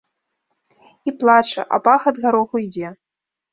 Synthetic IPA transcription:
iplˠat͡ʂɐ̰ʔɐ̰paxɐd̪ɣaɾɔɣuid͡zʲɛ

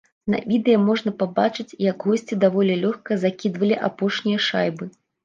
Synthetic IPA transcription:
nɐ̰vʲid̪ɛjɐmɔʐn̪ɐpabat͡ʂɨt͡sʲjɐɡɣɔsʲt͡sʲid̪avɔlʲɛlʲɔxkɐzakʲid̪vɐlʲiʔa̰pɔʂnʲijɐʂajbɨ

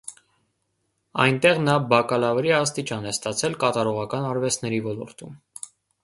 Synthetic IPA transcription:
ɑ̰jnt̪ɛʁnɑbɑkɑlɑvɾiɑst̪it͡ʃɑnɛst̪ɑt͡sʰɛlkɑt̪ɑɾɔʁɑkɑnɑɾvɛst̪ʰnɛɾivɔlɔ̰ɾt̪um

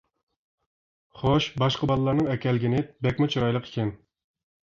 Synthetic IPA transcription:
χoʃbɑʃqəbɑlˠɨlˠɑɾnɨŋɛkʲɛlɡʲinɪbɛkʲmʊt͡ʃʰoɾɑjlˠəqʰe̥kʲʰɛn

